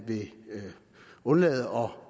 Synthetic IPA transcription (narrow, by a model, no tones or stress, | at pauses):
b̥e̝ | ɔ̽nlɛ̰ːð̩ˠɒ̽